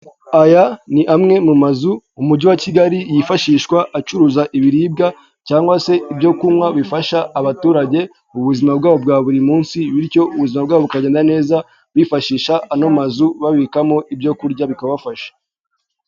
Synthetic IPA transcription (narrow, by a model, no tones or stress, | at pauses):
ajaniʔamŋe̞mumazuːmuɟuwaciɡaɾijifaʃiːʃwaʔːt͡ʃuɾuzaʔiβiɾiːb̚ɡa | caːŋɡwase̞ibɟo̞kumŋwaβifaʃaʔːβatuːɾaɟe̞ | uβuzimabɡaːβo̞b̚ɡaːβuɾimuːnsiβiɾco̞uβuzimabɡaːβoβukaɟeːndane̞ːza | βifaʃiːʃaːno̞mazuβaβikamo̞ʔibɟo̞kuɾɟaβikaβafaʃḁ